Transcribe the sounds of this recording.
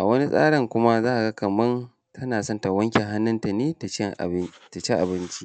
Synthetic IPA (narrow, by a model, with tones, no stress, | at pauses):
ʔa˨wɐ˦ni˦sʼa̰ː˦ɽɪ˨ŋkʷʊ˦ma˦zaː˦ʔa˨ɡa˦kɐ˨mɐ˦n | tʰɐ˦naː˨sɔ˦˨nta˨wɐ˦ŋkʲɛ˨ɦa˦nːʊ˦nta˨neː˦ta˨t͡ʃɛ˦ŋʔta˨t͡ʃe˦ʔa̰˨bɪ˦nt͡ʃi̥˦